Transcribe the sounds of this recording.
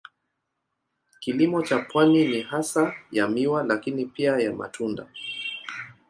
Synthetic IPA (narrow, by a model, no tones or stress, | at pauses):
kilimɔt͡ʃapwaninihasajamiwalakinipiajama̰tʰunda̰